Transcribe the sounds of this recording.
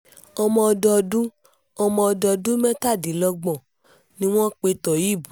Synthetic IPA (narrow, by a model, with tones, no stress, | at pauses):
ɔ˧mɔ̃˧ɔ˧dɔ˧dũ˦ | ɔ˧mɔ̃˧ɔ˧dɔ˧dũ˦mɛ̃˦ta˦˨di˨˦lɔ˧ɡ͡bɔ̃˨ | nĩ˧w̃ɔ̃˦k͡pe˧tɔ˨ji˦˨bu˨˦